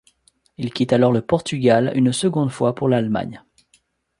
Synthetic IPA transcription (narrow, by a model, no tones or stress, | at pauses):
ilkʲit̪alɔʁləpɔʁt̪yɡaly̰nsəɡɔ̃d̪fwapuʁlalma̰ɲ